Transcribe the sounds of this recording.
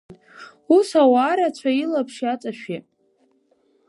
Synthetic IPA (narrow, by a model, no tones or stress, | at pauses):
usawaːɾat͡ɕʷʰailapʰʂiat͡sʼaʃᶣe